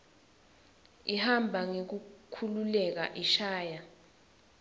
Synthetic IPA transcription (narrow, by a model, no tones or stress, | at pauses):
ihambʱaŋek̬ukʰululɛk̬a̰ʔiʃaːja